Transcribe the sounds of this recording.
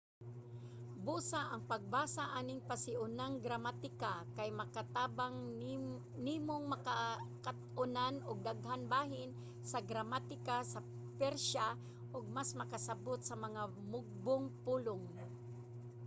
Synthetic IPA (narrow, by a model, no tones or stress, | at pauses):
buːsaʔɐŋpɐɡ̚baːsaʔaːnɪŋpasɪʔʊnaŋɡɾamat̪ɪkakajmɐkat̪aːbaŋ | nimoŋmɐkakat̪ʔʊnanʊɡ̚d̪aɡhanbaːɦɪn | sɐɡɾamat̪ɪkasɐ | pɛɾʃa | ʔoɡ̚masmɐkasɐbot̪̚sɐmɐŋa | mʊɡ̚bʊŋpuːlʊŋ